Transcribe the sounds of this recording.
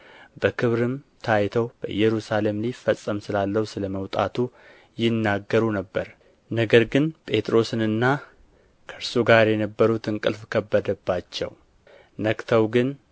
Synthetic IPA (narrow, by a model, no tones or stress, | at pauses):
bəkʰɨβɾɨmt̪ʰajt̪ʰəwb̥əʔɨ̰jːɛɾusale̞mlifːəsʼːəmsɨlalːəhusɨləməwt̪ʼa̰t̪ʰu | jɪnːaɡːəɾunəbːəɾ | nəɡəɾɡɨnpʼe̞t̪ʼɾo̞sɨnɨnːa | kʰəɾsuɡaɾjɛnəbːəɾut̪ʰɨŋkʼɨlfkʰəbːəd̪əbːat͡ʃːɛ̰w | nəkt̪ʰəwɡɨn